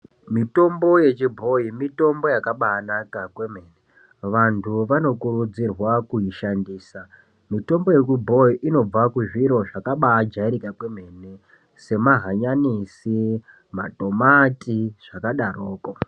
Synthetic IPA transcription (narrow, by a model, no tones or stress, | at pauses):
mito̞mbo̞je̞t͡ʃibʱo̞imito̞mbo̞jakaɓaːnakakwe̞m̤e̞ːne | ʋantʰuʋano̞kuɾud͡zirwakuiʃandiːsa | mito̞mbo̞je̞t͡ʃibʱo̞iʔino̞b͡vakuʐiɾo̞ʐakaɓaːd͡ʒaiɾikakwe̞m̤e̞ːne | se̞maɦaɲanisi | ma̰to̞matiʐ̥akaɗaroːko